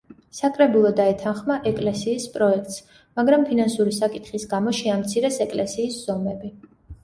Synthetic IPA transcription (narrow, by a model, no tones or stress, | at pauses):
sakʼɾɛbulˠɔd̪aɛt̪ʰanχmaʔɛkʼlɛsiːspʼɾɔɛk̚ʰt̪ʼs | maɡɾampʰinansuɾisakʼit̪χisɡamɔʃiamt̪sʰiɾɛsɛkʼlɛsiːsz̥ɔmɛbi